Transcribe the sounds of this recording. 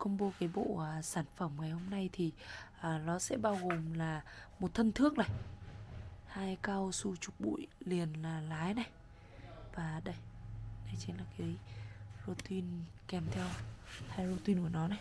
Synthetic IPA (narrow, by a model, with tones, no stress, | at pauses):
kə˧ŋ͡mɓo˧˦kaː˨˦jɓo̰˧˨˩saː˧˩nfə˧˩mŋa˨˩jho˧mna˧jt̪ʰi˨˩ʔəː˨˩nɔ˨˦sɛ̰˧˥ɓaː˧wɣo˨˩mlaː˨˩mo˨˩t̚t̪ʰə˧nt̪ʰɨ˦˥ək̚na˨˩j | haː˧jkaː˧wsu˧t͡ɕʊ˨˩k͡p̚ɓṵ˧˨jli˨˩ənlaː˨˩laː˨˦jna˨˧˩j | vaː˨˩ɗə˧jna˨˧˦jt͡ɕi˨˦laː˨˩kaː˨˦jzo˧t̪i˧nkɛ˨˩mt̪ʰɛ˧whaː˧jzo˧t̪i˧nku˧˩ənɔ˨˦na˨˩j